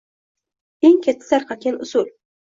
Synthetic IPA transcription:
eŋkʲʰat̪ʰːɪ̥saɾqɑt̪̚kʲanʊsʊl

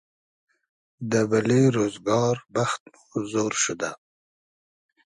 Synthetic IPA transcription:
d̪əbaleɾozɡɑːɾbaxt̪muzoːɾʃud̪a

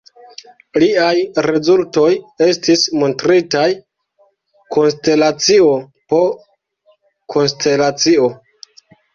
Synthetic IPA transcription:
liajɾe̞zulto̞je̞stismo̞ntɾitaj | ko̞nste̞lat͡sio̞ | po̞ | kʰo̞nste̞lat͡sio̞

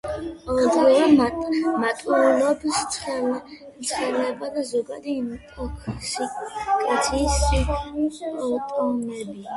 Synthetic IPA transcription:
ɔd̪ɾivamat̪ʼulɔbst̪sʰχɛl | t̪sʰχɛlɛbad̪azɔɡa̰d̪imkʼɔkʰsikʼat̪sʰisi | ɔt̪ʼmɛbi

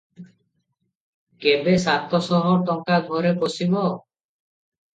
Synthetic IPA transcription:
kebesat̪ɔsɔɦɔʈɔŋkaɡ̪ʱɔɾepɔsibɔ

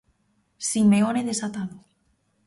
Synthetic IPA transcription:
simeoneðesat̪aðo

